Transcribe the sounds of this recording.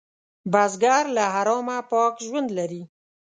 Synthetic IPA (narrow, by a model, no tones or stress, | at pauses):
bɑzɡɑɾlaɦaɾɑmapɑkʒwand̪laɾi